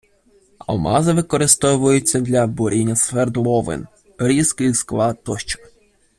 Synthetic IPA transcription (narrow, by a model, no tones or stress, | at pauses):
ɐ̰lˠmɑ̰zɪʋɪkɔɾɪst̪ɔʋʊjʊt͡sʲːɐd̪lʲɐbʊɾʲinʲːɐsʋɛrd̪lˠɔʋɪ̰n | ɾʲiskɪjsklˠɑt̪ɔʃt͡ʃɔ̥